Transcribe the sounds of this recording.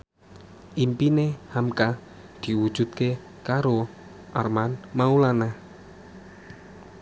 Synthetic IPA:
ʔimpinehamka | d̪̥i̤wud̥ʒ̥ṳt̪̚ke | kaɾo | ʔarmanmaulana

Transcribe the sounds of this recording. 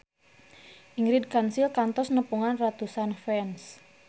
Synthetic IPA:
ʔiŋɾid̚kansilkant̪ɔsnəpuŋanrat̪usanfɛns

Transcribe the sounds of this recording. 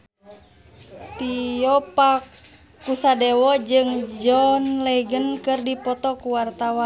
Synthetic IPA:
t̪ijɔpakː | usadɛwɔd͡ʒɨŋd͡ʒɔnlɛɡənkɨrdipɔt̪ɔkuwart̪awan

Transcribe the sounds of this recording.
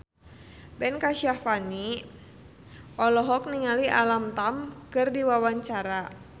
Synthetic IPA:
bɛnkaʃiafani | ʔɔlɔɦɔk̚niŋaliʔa̰lamt̪amkɨrdiwawaɲt͡ʃaɾa

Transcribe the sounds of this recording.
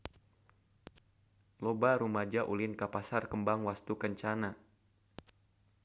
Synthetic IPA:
lɔbaɾumad͡ʒaʔulɪnkapasarkəmbaŋwast̪ukəɲt͡ʃana

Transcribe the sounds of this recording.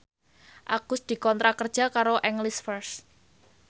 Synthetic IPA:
ʔaɡ̥ʊst̪̚d̪̥i̤kɔnt̪ɾakərd̥ʒ̥a̤kaɾoʔɛŋlisfərs

